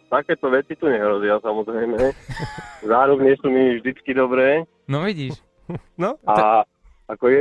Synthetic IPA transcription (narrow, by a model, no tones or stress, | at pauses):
t̪akɛːt̪ɔʋɛt͡sit̪uɲɛɦɾɔzɪasamɔzɾɛjmɛ | zaːɾubɲɪɛsuːminivʒd̪it͡skid̪ɔbɾɛː | nɔʋiɟiːʃ | nɔa | akɔjɛ